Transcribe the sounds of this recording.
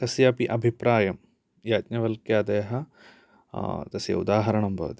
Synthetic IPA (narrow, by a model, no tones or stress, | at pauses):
t̪ɐsjɐpiʔɐbʱipɾaːjɐm | jaːt̪̚nɐʋɐlkjɐːd̪eːɦɐ | t̪ɐsjɐ̰ṵd̪aːɦɐɾɐɳɐmbʱɐ̰ʋɐ̰t̪i